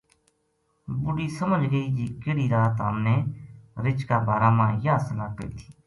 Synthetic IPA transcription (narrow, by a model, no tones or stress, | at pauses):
bʊɽiːsəməd͡ʒɡəiːd͡ʒiːkɪɽiːɾaːt̪aːmneːɾɪt͡ʃkaːbaːɾaːmãːjaːsəlaːpə̰ɾḭːt̪ʰi̥ː